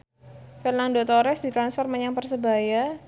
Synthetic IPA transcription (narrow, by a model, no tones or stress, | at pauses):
fərnaŋdot̪oɾɛsdit̪ɾansfɔrməɲaŋpərsəbaja